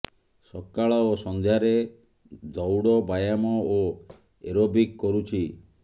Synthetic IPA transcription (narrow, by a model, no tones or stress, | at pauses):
sɔkːaɭaosɔnd̪ʱjaɾe | d̪ɔwɽɔbajamɔo | eɾobikːɔɾut͡ʃʰi